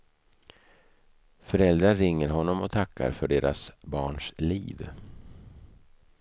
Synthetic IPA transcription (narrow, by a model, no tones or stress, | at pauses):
fœɾɛld̪ɾaɾɪŋːəɾɦɔnːɔmɔt̪ʰakʰːa̰ɾfœɖeːɾʔasbɑːɳʂliːv